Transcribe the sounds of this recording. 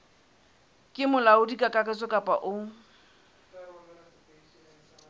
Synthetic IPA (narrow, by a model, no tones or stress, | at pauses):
kʼɪmʊlaʊdikʼakʼakʼɛt͡sʼɔkʼapʼa̰ʔʊ